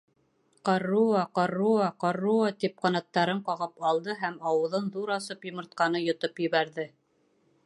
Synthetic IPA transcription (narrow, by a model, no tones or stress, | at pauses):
qɑruɑqɑruɑqɑrːuɑt̪ip̚qɑnɑt̪ːɑɾɤɴqɑʁɤpɑlˠd̪ɤɦæmɑwɤ̆ðɤnðuɾɑsɤpjŏmɤ̆ɾt̪̚qɑnɤjŏt̪ɤpjɘ̆βæɾðɘ